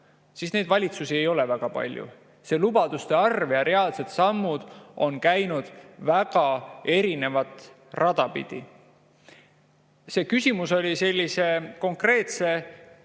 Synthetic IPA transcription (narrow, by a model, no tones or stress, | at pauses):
sisne̞jd̪vɑlʲit̪susie̞jo̞lɛvæɡ̥ɑpɑ̰lʲjṵ | se̞ːlubɑd̪̥ust̪e̞ɑrvjɑɾe̞ɑːlse̞t̪sɑmːud̪̥o̞nkæjnud̪̥væɡ̥ɑe̞ɾine̞vɑt̪ˑ | rʔɑd̪̥ɑpḭd̪̥ḭ | se̞ːkysʲimuso̞lʲise̞lʲːise̞ko̞ŋkre̞ːt̪se̞